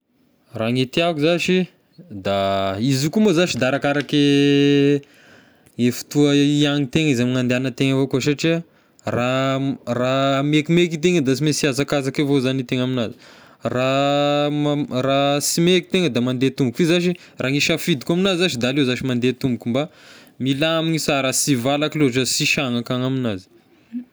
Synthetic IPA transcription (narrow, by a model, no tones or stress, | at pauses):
raŋet̪iakuzaʃi | d̪aizukumazaʃid̪aɾakaɾake | efi̥t̪uəiaŋit̪eŋizamiŋand̪eanət̪eŋəvokoʃaʈ͡ʂia | raramekimekit̪̬eŋəd̪asimesiazakazakevozanit̪eŋaminazi̥ | ra | rasimeki̥t̪eŋəd̪amand̪et̪umbukizaʃi | raŋiʃafid̪ikaminaziaʃid̪alewzaʃimand̪et̪umbukʲumba | milaamiɲisaɾasivalakiloaʈ͡ʂasiʃaŋakaŋaminazi̥